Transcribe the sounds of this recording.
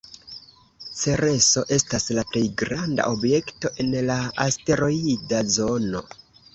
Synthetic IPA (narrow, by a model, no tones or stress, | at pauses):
t͡se̞ɾe̞so̞ʔe̞staslaple̞jɡɾanda̰ʔobje̞kto̞ʔe̞nlaaste̞ɾo̞idazo̞no̞̰